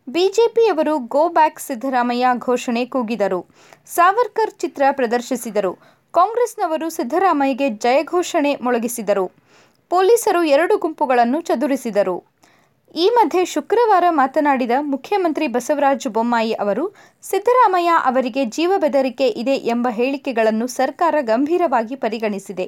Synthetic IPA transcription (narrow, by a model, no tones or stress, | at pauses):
biːd͡ʒe̞ːpiɐʋɐɾuɡoːbaːksid̪ʱːɐɾaːmɐjaɡʱɔːʃɐɳe̞kuːɡid̪ɐɾu | saːʋɐɾkɐɾt͡ʃit̪ɾɐpɾɐd̪ɐɾʃisid̪ɐɾu | kaːŋɡɾesnɐʋɐɾusid̪ʱːɐɾaːmɐjɐɡe̞d͡ʒɐjɐɡʱɔːʃɐɳe̞mɔɭɐɡisid̪ɐɾu | poːliːsɐɾuɛɾɐɽuɡumpuɡɐɭɐnːut͡ʃɐd̪uɾisid̪ɐɾu | iːmɐd̪ʱje̞ʃukɾɐʋaːɾɐmaːt̪ɐnaːɽid̪ɐmukʰjɐmɐnt̪ɾibɐsɐʋɾaːd͡ʒbomːaːjiʔɐʋɐɾu | sid̪ʱːɐɾaːmɐjaʔɐʋɐɾiɡe̞d͡ʒiːʋɐbɛd̪ɐɾike̞ʔid̪e̞ʔembɐɦe̞ːɭikɛɡɐɭɐnːusɐɾkaːɾɐɡɐmbʱiːɾɐʋaːɡipɐɾiɡɐɳisid̪e̞